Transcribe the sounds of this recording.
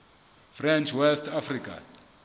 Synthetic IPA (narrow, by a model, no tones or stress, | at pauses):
frɛnt͡ʃʰwɛstʰafrikʰa̰